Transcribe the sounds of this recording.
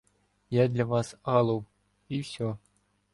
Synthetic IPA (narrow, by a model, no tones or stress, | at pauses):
jad̪lʲavɑsɑlˠɤw | ifsʲo